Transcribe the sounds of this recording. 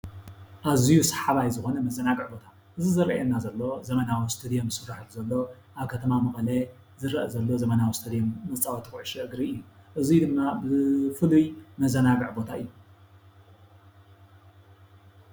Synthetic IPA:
ʔazijusḁħaβajzɨxo̞nɐmɐzɐnaɡɨʕbo̞t̪ʰa | ʔɨzizɨɾɐ̰ʔenːazɐlːo̞zɐmɐnawist̪ʰɨd̪ijomsɨfːaħɨlzɐlːo̞ | ʔaβkʰɐt̪ʰɐmamɨxɐle | zɨɾɐʔɐzɐlːo̞zɐmɐnawist̪ʰɐd̪ijomːɐt͡sʼawot̪ʰɨkʕɨʃɛʔɨɡɾiɨjːuʔɨzijd̪ɨmːabɨfɨlujmɐzɐnaɡɨʕbo̞t̪ʰaɨjːu

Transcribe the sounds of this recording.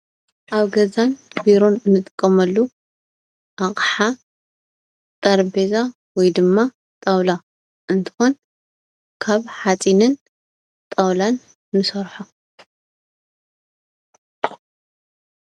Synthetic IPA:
ʔaβɡɐzanbiɾo̞nɨnːɨt̪ʼɨkʼːɐmɐlːu | ʔaχʼħa | t̪ʼɐɾbeza | wɔjd̪ɨmːa | t̪ʼɐwla | ʔɨnt̪ʰɨ̥xon | kʰaβħat͡sʼinɨn | t̪ʼɐwlanː | ɨsɐɾħo

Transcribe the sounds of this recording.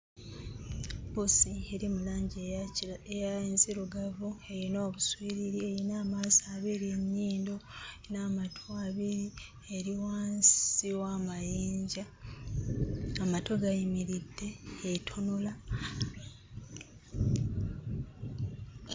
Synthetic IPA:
bosie̞ɾimulaːɲɟieejaenziɾuɡavue̞jinoːβuswiːɾiɾiejinaːmazaβiɾieɲːiːndo̞ | naːmatʰoaβiɾi | eɾiwaːnsiwamajiːɲɟa | matoɡajimiɾidːe̞ːtʰonola

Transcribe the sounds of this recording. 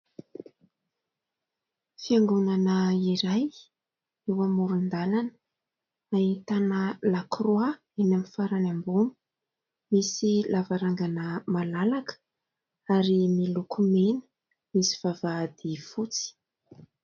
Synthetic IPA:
fiaŋɡunanəiɾaj | ewamuɾund̪alanə̥ | ait̪anəlakroa | anamifaɾanambuni̥ | misilavaɾaŋɡanəmalalakə̥ | aɾimilukumenə̥ | misi̥v̥avad̪ifut͡si̥

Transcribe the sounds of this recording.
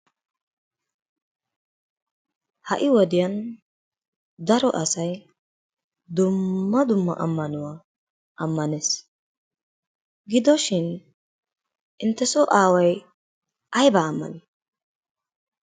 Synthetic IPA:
hɐ̰ʔɪwɔd̪ɪjɐn | d̪ɐɾɔʔɐsɐj | d̪ʊmːɐd̪ʊmːɐ̰ʔɐmːɐnʊwa | ʔɐmːɐnes | ɡɪd̪ɔʃɪn | ʔɪnt̪ːɛsɔʔaːwɐj | ʔɐjbɐːmːɐ̰nɪ

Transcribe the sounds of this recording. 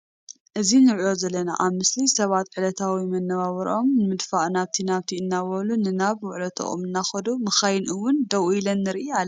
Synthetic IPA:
ʔɨzinɨɾo̞zɐlːɐna̰ʔaβmɨslisɐβat̪ʕɨlɐt̪ʰawimɐnːɐβaβɐɾʔo̞mnɨmɨd̪faʔnaβt̪ʰinaβt̪ʰiɨnːawɐlunɨnaβwʊʕlot̪ʰo̰ʔo̰mɨnːaxɐd̪umɨxajnʔɨwːʊnd̪ɐwilɐnːɨɾɨʔalː

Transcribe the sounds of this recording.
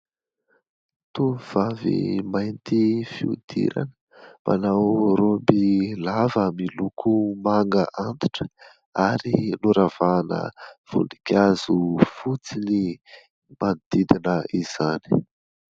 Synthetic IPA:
t̪umiv̥avḭmajnt̪ifiud̪̥ḭɾa̰nə | mʔa̰nawɾombilavamilukʰumaŋɡəʔand̪iʈ͡ʂə̥ | aɾinuɾav̥anə̰v̥ṵnikʲazufut͡sini | mand̪id̪inəiz̥ani̥

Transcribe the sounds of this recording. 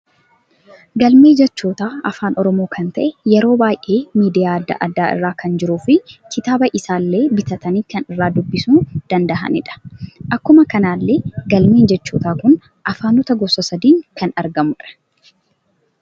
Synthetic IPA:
ɡɐlme̞ːd͡ʒɛt͡ʃːoːt̪aːɐfaːnʔɔɾɔmo̞ːkʰɐnt̪ɐʔɛjɛɾo̞ːbaːjʔe̞ːmiːd̪ɪjaːɐd̪ːɐ̰ʔɐd̪ːaːɪ̰rːaːkʰɐnd͡ʒɪɾuːfɪkɪt̪aːbɐʔɪsaːlːe̞ːbɪt̪ɐt̪ɐniːkɐnɪrːaːd̪ʊbːɪsuːd̪̥ɐnd̪ɐɦɐ̰nɪᶑɐ̥ʔɐkːʊmɐkɐnaːlːeːɡɐlmeːnd͡ʒɛt͡ʃːoːt̪aːkʊn | ʔɐfaːnʊt̪ɐɡɔsɐsɐd̪iːŋkɐnɐɾɡɐmʊɪᶑɐ̥

